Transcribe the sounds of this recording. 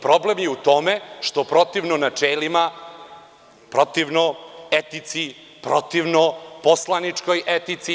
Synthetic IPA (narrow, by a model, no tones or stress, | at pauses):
pɾo̞ble̞mjeut̪o̞me̞ʃt̪o̞pɾo̞t̪iʋnonat͡ʃelima | pɾo̞t̪iʋnoet̪it̪si | pɾot̪iʋnoposlˠanit͡ʂko̞jʔet̪it̪si